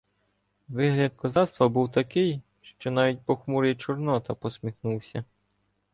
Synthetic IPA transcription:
ʋɪɦlʲɐd̪kɔzɑst̪ʋɐbuwt̪ɐkɪj | ʃt͡ʃɔnɑʋʲit̚ʲpɔxmuɾit͡ʃɔrnɔt̪ɐpɔsʲmʲixnuwsʲɐ

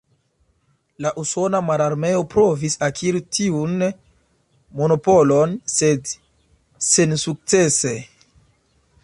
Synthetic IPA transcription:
laʔuso̞namalaɾme̞o̞pɾo̞visakʰiɾitʰiun | mo̞no̞po̞lo̞nse̞d | sensuk̚t͡se̞se̞

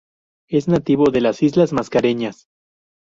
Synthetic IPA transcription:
e̞znat̪iβo̞ðe̞lasizlazmaskaɾe̞ɲas

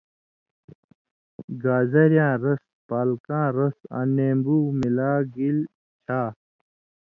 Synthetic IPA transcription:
ɡaːzɐɾjãːɾɐs | paːlkãːɾɐsa̰ːneːmbuːmilaːɡil | t͡ɕʰaː

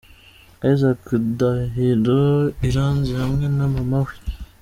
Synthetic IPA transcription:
aizakudaɦiɾoiɾaːnzihamŋenamamawi̥

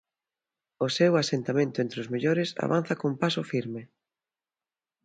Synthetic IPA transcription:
ʊsewasent̪amẽnt̪ʊent̪ɾɪʊzmeʎoɾɪsa̰βan̟θakompasʊfiɾmɪ

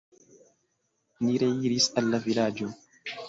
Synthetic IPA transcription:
niɾejiɾisalːavilaːd͡ʒɔn

